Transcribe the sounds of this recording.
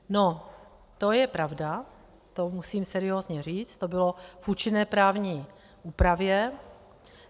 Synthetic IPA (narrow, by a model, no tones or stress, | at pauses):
no | t̪ojɛpɾavda | t̪omusiːmsɛɾɪoːzɲɛriːt͡st̪obɪlofʔuːt͡ʃɪnɛːpɾaːvɲiː | ʔuːpɾavjɛ